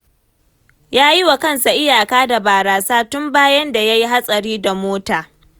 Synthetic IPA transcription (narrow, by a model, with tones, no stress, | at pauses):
jaː˦ji˦wa˨kɐ˦nsa˨ʔɪ˦jaː˨kaː˦da˨baː˨ɾaː˨saː˦tʊ˦mbaː˦jɐ˦nda˨ja˦ji˦ɦa˦sʼɐ˨ɽiː˦da˨moː˦taː˨